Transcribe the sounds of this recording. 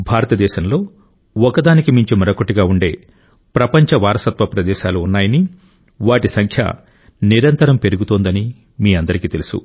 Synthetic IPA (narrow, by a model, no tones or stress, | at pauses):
bʱaːɾɐt̪ɐd̪ɛːʃɐnlo̞ː | ɔkɐd̪aːnikimiɲt͡ʃimɐɾɐkoʈːiɡaːuɳɖe̞ː | pɾɐpɐɲt͡ʃɐʋaːɾɐsɐt̪ʋɐpɾɐd̪ɛːʃaːluːnːaːjɐni | ʋaːʈisɐŋkʰjɐ̰ | niɾɐnt̪ɐɾɐmpe̞ɾuɡut̪oːnd̪ɐni | miːɐnd̪ɐɾikiːt̪e̞lusṵ